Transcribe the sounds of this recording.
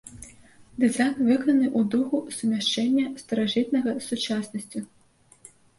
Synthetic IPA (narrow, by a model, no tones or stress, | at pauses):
d̪ɨzajnvɨkɔnɐnɨʔud̪uɣusumʲaʂt͡ʂɛnʲːɐst̪ɐɾaʐɨt̪nɐɣɐsut͡ʂasnɐsʲt͡sʲu